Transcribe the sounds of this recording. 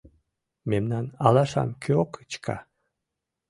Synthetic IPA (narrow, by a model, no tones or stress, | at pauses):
memnɑnɑlɑʃɑ̰mkʲʰøokɯt͡ɕkʰɑ̰